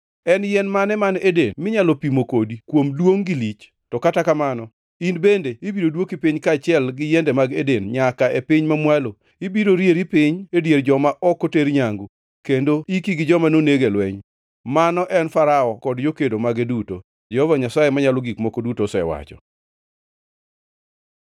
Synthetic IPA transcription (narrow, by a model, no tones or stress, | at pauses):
ɛnjɛnmanɛmanedenmɪɲalɔpimokodikwomdwoŋɡɪlit͡ʃ | tɔkatakamanɔ | inbendeibidodwokipiɲkaːt͡ʃɪɛlɡɪjɛndɛmaɡedenɲakaʔepɪɲmamwalo | ibiɾoɾjeɾipɪɲedjerd͡ʒɔmaʔɔkoteɾɲaŋɡu | kendoikiɡɪd͡ʒɔmanoneɡelwɛɲ | manɔʔɛnfaɾaɔkɔdd͡ʒokedomaɡeduto | d͡ʒɛhɔvaɲasajemaɲalɔɡikmokodutosɛwa̰t͡ʃɔ